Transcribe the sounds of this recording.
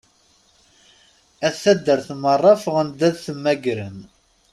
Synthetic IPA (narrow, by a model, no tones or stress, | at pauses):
æθθæd̪ːəɾθmərˤːɑfəʁənd̪æðθəmːæɡɾən